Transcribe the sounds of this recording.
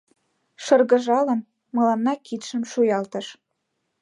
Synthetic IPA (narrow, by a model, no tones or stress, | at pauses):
ʃɤrɣə̆ʒɑlə̆n | mɤ̆lɑnːɑkit̪ʃə̆mʃujɑlt̪ə̆ʃ